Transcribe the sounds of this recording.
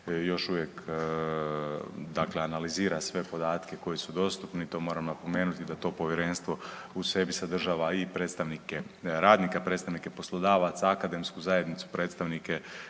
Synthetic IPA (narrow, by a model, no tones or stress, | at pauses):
jo̞ʃuʋjek | d̪akleanaliziːɾasʋe̞po̞d̪aːt̪ke̞ko̞jisud̪o̞st̪upniit̪o̞mo̞ːɾamnapo̞me̞ːnut̪id̪at̪o̞ːpo̞ʋjeɾe̞ːnst̪ʋo̞ | use̞bisad̪r̩ʒaːʋaipɾet̪st̪aʋnikeɾaːd̪nikapɾe̞ːt̪st̪aʋnikepo̞slˠod̪aːʋat̪saakad̪e̞mskuzaje̞d̪nit̪su̥pɾe̞ːt̪st̪aʋnike